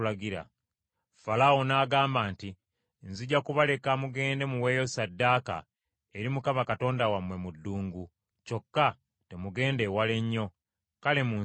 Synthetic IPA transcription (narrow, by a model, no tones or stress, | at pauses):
laɡiɾa̰ | falawo̞naːɡaːmbaːnti | nziɟakuβale̞kamuɡe̞ːnde̞muwe̞ːjo̞sadːaːka̰ | eɾimukamakato̞ːndawamwe̞mudːuːŋɡu | co̞kːa | te̞muɡe̞ːnde̞wale̞ɲːo̞ | kale̞muː